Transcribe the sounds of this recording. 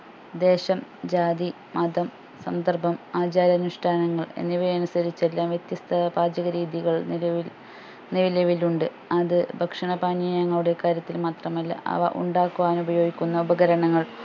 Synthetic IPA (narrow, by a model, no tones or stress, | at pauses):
d̪e̞ːɕɐmd͡ʑaːd̪i | mɐd̪ɐm | sɐ̰nd̪ɐrbʱɐmaːd͡ʑaːɾɐnuʂʈʰaːnɐŋːɐɭe̞̰nːiʋɐjɐnusɐɾit͡ɕːelːaːmʋjet̪jɐst̪ʰɐbaːd͡ʑɐɣɐɾiːðiɣɐɭ | niʋilɐʋiluɳɖɨ | ɐðɨbʱɐkʂɐɳɐbaːnjiːjɐŋːɐɭuɽe̞kaːɾjɐt̪ːilmaːt̪rɐmɐlːɐ̰ʔɐ̰ʋɐ̰ʔṵɳɖaːkːuʋaːnubɐjo̞ːɡikʲːunːɐubɐɣɐɾɐɳɐŋːɐɭ